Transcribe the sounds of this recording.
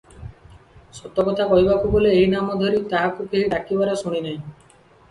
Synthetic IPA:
sɔt̪ːɔkɔt̪ʰakɔɦibakuboleːɦinamɔd̪ʱoɾit̪aɦakukeɦiɖakibaɾɔsuɽ̃inaɦĩ

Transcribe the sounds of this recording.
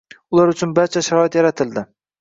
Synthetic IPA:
ʊlˠaɾʊt͡ʃʰʊnbaɾt͡ʃʰaʃaɾɒɪt̪jaɾat̪ʰɪld̪ɪ

